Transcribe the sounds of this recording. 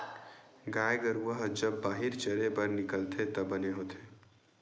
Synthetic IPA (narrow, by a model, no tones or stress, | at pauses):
ɡaːeɡəɾuəɦd͡ʒɐbːaːɦɪɾt͡ʃɐɾebɐɾnɪkəlt̪ʰet̪ɐbɐneɦoːt̪ʰeː